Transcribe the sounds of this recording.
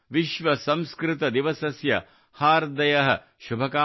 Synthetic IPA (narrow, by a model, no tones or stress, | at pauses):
ʋiʃʋɐsɐ̃mskɾɪt̪ɐd̪iʋɐsɐsjɐ̰ | haːɾd̪ɐjɐɦɐ̆ | ʃubʱɐkaː